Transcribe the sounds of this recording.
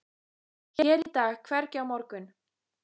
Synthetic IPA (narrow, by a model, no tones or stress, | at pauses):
çɛɾit̪aːɣkʰvɛɾcɪawmɔɾkʏn